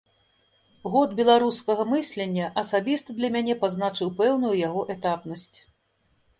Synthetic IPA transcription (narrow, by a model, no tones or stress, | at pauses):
ɣɔd̪bʲɛlˠaɾuskɐɣɐmɨsʲlʲenʲːɐʔɐsabʲist̪ɐd̪lʲɐmʲanʲɛpaznat͡ʂɨwpɛwnujujaɣɔʔɛt̪apnɐsʲt͡sʲ